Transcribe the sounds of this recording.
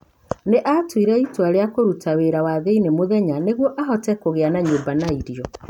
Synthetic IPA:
neʔatwiɾɛitwaɾeakoɾutʰaweɾawaðeinemoðɛɲaneɣwɔʔaɦɔtɛkoɣeanaɲoːmbanaiɾiɔ

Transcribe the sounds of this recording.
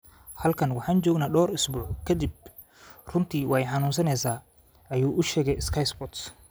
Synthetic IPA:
hɐlkʰɐnwɑħɑːnt͡ʃɔːɡnaːɖɔːɾɪsbuːʕkʰɐd̪ib̚ | rʊnt̪ʰiːwjħɑnuːns̬ɐnɛjsaː | ʔɐjuːʔʊʃɛːɣɛjɪskʰɐjsbɔt̪s

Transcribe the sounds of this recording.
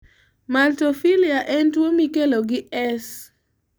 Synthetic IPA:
maltofiliaʔɛntwomikeloɡɪɛs

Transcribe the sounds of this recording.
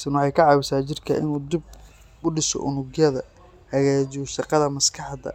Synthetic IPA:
sɪnwɑħɑjkʰɐʕɑːβɪsaːt͡ʃɪrkʰɐʔɪ̰nuːd̪ɪb̚ | ʊɖɪsɔ̰ʔʊ̰nʊɣjɐðɐ | hɐɣaːt͡ʃɪsɑqɑðɐmɐskʰɑħd̪ɐ̰

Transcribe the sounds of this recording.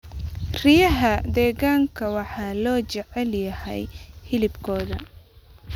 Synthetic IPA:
rɪjɐɦɐd̪ɛːɣaːŋkʰɐwɑħɑːlɔːt͡ʃɛʕɛljɐhɛ̰jhɪlɪbkʰɔːðɐ̰

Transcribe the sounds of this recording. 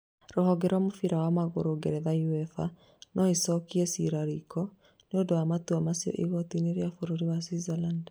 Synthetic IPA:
ɾoɦɔɡɛɾwamofiɾawamaɣoɾoɡɛɾɛðauɛfa | nɔisɔkiɛsiɾaɾikʰɔ | neodoamatuamasiɔ̰ʔiɣɔtineɾeafoɾoɾiwasizaland

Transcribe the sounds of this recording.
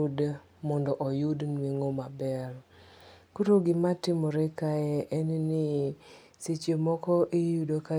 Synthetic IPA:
d | mɔndɔʔɔjudnweŋomabɛɾ | kuɾoɡɪmatɪmɔɾekaɛʔɛnnɪ | set͡ʃemɔkɔʔijudoka

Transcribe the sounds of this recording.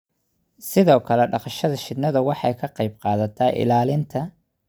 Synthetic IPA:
sɪðɔːkʰɐlɛɖɑqɑʃɐðɐʃɪd̪nɐðɐwɑħɑjkʰɐqɑjb̚qɑːðɐt̪ʰaːʔɪ̰laːlɪnt̪ʰɐ

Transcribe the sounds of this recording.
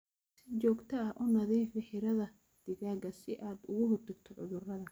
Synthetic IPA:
sɪt͡ʃɔːɡt̪ʰɐɐʔɔnɐðiːfɪħɪɾɐðɐ | d̪̥ɪɣaːɡɐsɪʔaːd̪ʊɣʊhʊrd̪ɪɡt̪ʰɔʕʊðʊrɐðɐ

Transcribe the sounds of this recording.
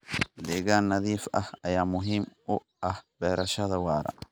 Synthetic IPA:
lɛɡaːnːɐd̪iːfɐhɐjamʊɦimʊ | ɐhb̥ɛːɾɐʃɐd̪ɐwaːɾɐ̰

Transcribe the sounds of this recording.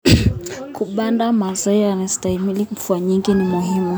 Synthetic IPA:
kuɓandamazaianastaimiliɱ̩fuaɲiŋɡinimuɦimu

